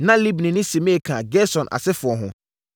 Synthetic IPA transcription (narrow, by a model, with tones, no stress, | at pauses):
nã˦li˦bnĩ˨nʊ̃˦si˨mẽ˦˨kʰã˨ɡɛ˦sɔ̃˨nʔa̰˨sɪ˦fʊ˨ɔ˨ɦʊ̃˨